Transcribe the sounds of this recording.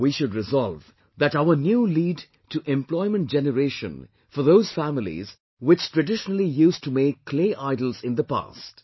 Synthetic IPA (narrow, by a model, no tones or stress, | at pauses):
wiʃʊdɹɪzɔlv | ðætaʊənjuːliːɖ | ʈuʔɛ̃mplɔɪmə̃nt̚d͡ʒɛnəɾeːʃə̰̃n | fɔɾðoʊz̥fæmɪlḭz | wɪt͡ʃtɹɨɖɪʃənəl̩ˠijustumeːkʰːleːʔaɪdəl̩ˠzɪ̃nd̪əpa̰st